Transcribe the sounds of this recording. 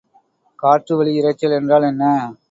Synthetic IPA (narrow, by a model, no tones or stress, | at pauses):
kaːʈrɯʋɐɭiɪɾɐt͡ʃːɐlɛndraːlɛnːɐ